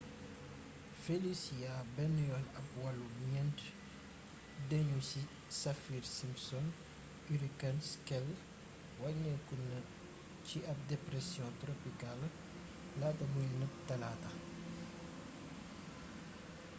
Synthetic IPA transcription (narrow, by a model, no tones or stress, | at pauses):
felisijabɛnːjɔlɐpwɐluɲɛnt | dɛɲusi | sɐfiːɾsimsɔn | yɾikɐnskɛl | wɐnɛkunɐ | ciɐp̚dɛpɾɛsjɔ̃tɾopikal | laːtɐbuɲnəp̚tɐlatɐ